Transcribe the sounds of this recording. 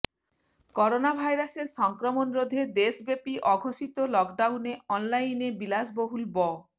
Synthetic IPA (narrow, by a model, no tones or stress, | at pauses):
kɔɾonabʱajɾaseɾʃɔŋkɾomonɾod̪ʱed̪eʃbepiʔɔɡʱoʃit̪olɔkɖawneɔnlajnebilasboɦulbɔ